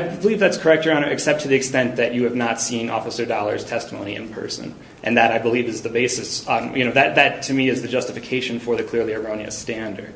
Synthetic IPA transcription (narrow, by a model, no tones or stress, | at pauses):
ɪbəlivðætskʰə˞ɛk̚tə˞ɑñə˞ʔɨksɛp̚tʰɨðiɨkstɛ̃nðɨt͡ʃɨɨvnətsĩnɔ̰fəsə˞dɑlˠə˞z̥tʰɛstəmõ̰ʊ̃nḭɨ̰̃npʰɜ̰˞sɨ̰̃n | ʔɨ̰̃nðɨɾaɪbəlivɨzðɨbeɪsɨsjɨñoʊðɨt̪̚ðɨtʰɨmiɨzðɨd͡ʒʌstɨfɨkʰeɪʃɨ̃n̩fə˞ðɨkʰl̥ɪɹlˠiɨ˞õʊ̃niɨ̰stæ̃ndə̰˞d̥̚